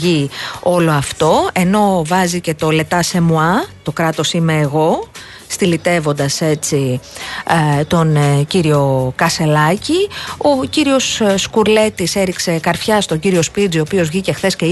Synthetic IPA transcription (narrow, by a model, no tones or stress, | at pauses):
io̞lo̞ɐft̪o̞e̞no̞vɐzice̞t̪o̞le̞t̪ɐse̞muɐt̪o̞kɾɐt̪o̞simeːɣo̞ | st̪ilit̪e̞vo̞nd̪ɐse̞t͡si | t̪o̞nciɾio̞kɐse̞lɐcio̞ciɾio̞sːkuɾle̞t̪iseɾikse̞kɐɾfçɐst̪o̞ɟiɾio̞spid͡zio̞ːpio̞zʝice̞xθe̞sce̞